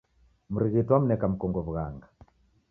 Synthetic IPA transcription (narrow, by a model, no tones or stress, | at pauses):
muɾiɣitwam̩nɛkam̩kɔŋɡɔβuɣaŋɡa